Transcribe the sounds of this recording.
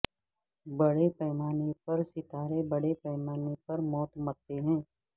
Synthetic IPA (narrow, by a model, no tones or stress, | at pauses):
bɐɽepɛːmaːnepɐɾsɪt̪aːɾebɐɽepɛːmaːnepɐɾmɔːt̪mɐt̪ːeɦɛ̃ː